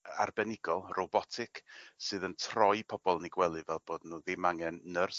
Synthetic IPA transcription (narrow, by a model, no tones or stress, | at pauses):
a̰rbɛnɪɡɔlˠrɔbɔtʰɪkʰsɨːðəntʰrɔjpʰɔb̥ɔlˠniɡwɛlˠɨvɛlˠboːdnuːðɪmaŋɛnːər